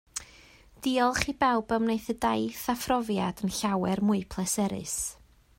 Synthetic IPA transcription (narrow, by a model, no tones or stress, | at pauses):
d̥iɔlˠχiːbɛwbəwmneɨθədajθafrɔvjadənɬawɛrmʊɨpʰlˠɛsɛɾɨ̰s